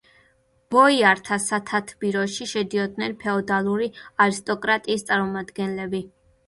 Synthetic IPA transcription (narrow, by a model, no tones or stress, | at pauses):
b̥ɔiaɾt̪ʰasat̪ʰat̪ʰbiɾɔʃiʃɛd̪iɔd̪nɛnpʰɛɔd̪alˠuɾiaɾist̪ʼɔkʼɾat̪ʼiːst̪sʼaɾmɔmad̪ɡɛnlɛbi